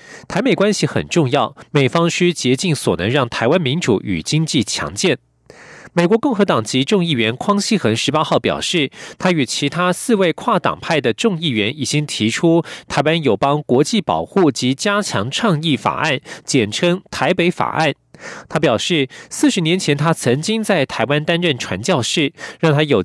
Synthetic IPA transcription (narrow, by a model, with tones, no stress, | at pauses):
t̪ʰa˧˥ɪme˨˩ɪkwa˥nɕi˨xə̰˨˩nʈ͡ʂʊ˥˧ŋjɑ˥˩ʊme˨˩ɪfɑ˥ŋʂʰy˥t͡ɕjɛ˧˥t͡ɕi˥˩ŋswɔ̰˨˩nɤ˧˥ŋɻɑ˥˩ŋt̪ʰa˧˥ɪwa˥nmi˧˥nʈ͡ʂṵ˧˥y̰˨˩t͡ɕi˥ŋt͡ɕi˥˩t͡ɕʰjɑ̰˧˥ŋt͡ɕjɛ˥˩n | me˨˩ɪkwɔ˧˥kʊ˥˩ŋxɤ˧˥t̪ɑ˨˩ŋt͡ɕi˧˥ʈ͡ʂʊ˥˧ŋi˥˩ɥɛ˧˥nkʰwɑ˥ŋɕi˥xə˧˥nʂɻ̩˧˥pa˥xɑ˥˩ʊpjɑ˨˩ʊʂɻ̩˥˩t̪ʰa˥y˨˩t͡ɕʰi˧˥t̪ʰa˥sɹ̩˥˧we˥˧ɪkʰwa˥˩t̪ɑ̰˨˩ŋpʰa˥˩ɪd̪ə˩ʈ͡ʂʊ˥˧ŋi˥˩ɥɛ˧˥ni˨˩t͡ɕi˥ŋt̪ʰi˧˥ʈ͡ʂʰu˥t̪ʰa˧˥ɪwa˥njo˨˩ʊpɑ˥ŋkwɔ˧˥t͡ɕi˥˩pɑ̰˨˩ʊxu˥˩t͡ɕi˧˥t͡ɕja˥t͡ɕʰjɑ̰˧˥ŋʈ͡ʂʰɑ˥˧ŋi˥˩fa̰˨˩ʔa˥˩nt͡ɕjɛ˨˩nʈ͡ʂʰɤ˥ŋt̪ʰa˧˥ɪpe˧˥ɪfa̰˨˩ʔa̰˥˩n | t̪ʰa˥pjɑ˨˩ʊʂɻ̩˥˩sɹ̩˥˩ʂɻ̩˧˥njɛ˧˥nt͡ɕʰjɛ˧˥nt̪ʰa˥t͡sʰɤ˧˥ŋt͡ɕi˥ŋt͡sa˥˩ɪt̪ʰa˧˥ɪwa˥nt̪a˥nɻə˥˩nʈ͡ʂʰwa̰˧˥nt͡ɕjɑ˥˧ʊʂɻ̩˥˩ɻɑ˥˩ŋt̪ʰa˥jo˨˩ʊ